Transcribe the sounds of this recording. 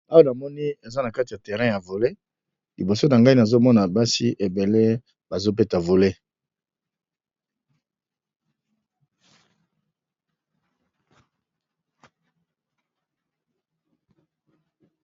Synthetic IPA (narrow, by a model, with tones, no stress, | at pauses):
a˦wa˦na˨mɔ˦ni˦e˨za˦na˨ka˦ti˨ja˨tɛ˨ʁɛ̃˦ja˨vo˨le˦ | li˨bo˨so˦na˨ŋɡa˦i˦na˨zo˦mɔ˦na˨ba˦si˦ʔe˨be˨le˦ | ba˨zo˦p̬e˦ta˨vo˨le˦